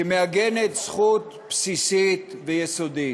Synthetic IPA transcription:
emeaɡenet̪sχut̪ | psisit̪vejesod̪i

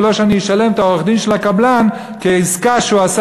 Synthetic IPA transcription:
lo̞ʃeanijeʃale̞mt̪aoeχd̪inʃelakablan | keizkaʃuas

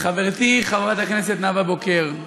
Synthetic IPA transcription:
χaveʁt̪iχavʁat̪haknes̬et̪navabokeʁ

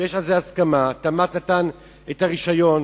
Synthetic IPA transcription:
jeʃalzeaskamatamat̪natan | etaʁiʃajo̞n

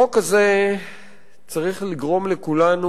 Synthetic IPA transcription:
okaze | t͡saʁiχliɡʁo̞mlekulanu

